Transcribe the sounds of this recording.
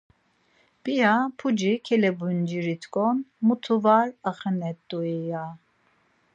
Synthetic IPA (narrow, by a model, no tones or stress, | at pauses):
b̥ijapʰud͡ʒikʰɛlɛbund͡ʒiɾit̪ʰkʼɔnmut̪ʰuvaɾəχənɛt̪ʼːuɛja